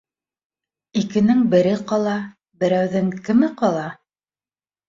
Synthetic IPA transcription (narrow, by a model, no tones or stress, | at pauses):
ikɘ̆nɘŋbɘ̆ɾɘqɑlˠɑ | bɘ̆ɾæwðɘŋkɘ̆mɘqɑlˠɑ